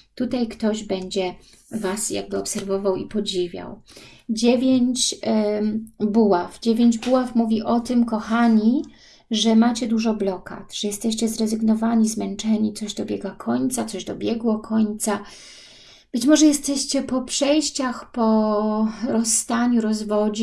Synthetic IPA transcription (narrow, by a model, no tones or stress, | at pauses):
t̪ut̪ajkt̪ɔʑbɛɲd͡ʑɛ | vasja̰ɡ̚bɘɔpsɛɾvɔvawipɔd͡ʑivʲja̰w | d͡ʑevʲjeɲt͡ɕ | buwafd͡ʑevʲjeɲd͡ʑbuwafmuvʲiʔɔt̪ɘmkɔxaɲi | ʐɛmat͡ɕɛd̪uʐɔblɔka̰t̪ʐ̥ɛjɛst̪ɛɕt͡ɕɛzɾɛzɘɡnɔvaɲizmɛnt͡ʂɛɲit̪sɔʑd̪ɔbʲjɛɡakʰɔɲt̪sat̪sɔʑd̪ɔbʲjɛɡwɔkʰɔɲt̪sa | b̥ɘt͡ɕmɔʐɛjɛst̪ɛɕt͡ɕɛpɔpʂɛjɕt͡ɕaxpɔ | ɾɔsːt̪aɲuɾɔzvɔd͡ʑi